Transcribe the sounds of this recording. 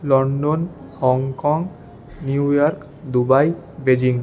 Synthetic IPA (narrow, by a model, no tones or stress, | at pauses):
lɔɳɖon | hɔŋkɔŋɡ | niujɔɾk | d̪ubajbed͡ʒiŋ